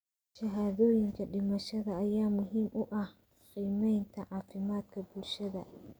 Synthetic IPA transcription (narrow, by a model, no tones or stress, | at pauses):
ʃɐɦaːðɔːjɪŋkʰɐɖɪmɐʃɐðɐːjaːmʊɦiːmʔʊʔɐh | qiːmɛjnt̪ʰɐʕɑːfɪmaːd̪kʰɐbulʃɐðɐ